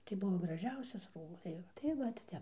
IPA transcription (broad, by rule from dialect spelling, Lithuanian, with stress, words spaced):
tɐɪ ˈbʊʋoː ɡrɐˈʒʲɛʊsʲɛs ˈruːbɐs tɐɪ ˈjɛʊ tɐɪ ˈʋɐt ˈtʲɛp